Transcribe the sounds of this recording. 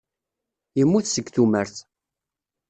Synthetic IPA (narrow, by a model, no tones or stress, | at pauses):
jəmːuθsəɡθuməɾθ